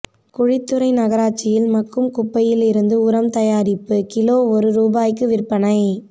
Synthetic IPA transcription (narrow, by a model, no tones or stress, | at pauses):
kʊɻɪt̪ːɯɾɐɪnɐɣɐɾaːt͡ʃːɪjɪlmɐkːɯmkʊpːɐjɪlɪɾɯnd̪ɯʊɾɐmt̪ɐjaːɾɪpːɯkɪloːɔɾɯɾuːbaːjkːɯʋɪrpːɐnɐɪ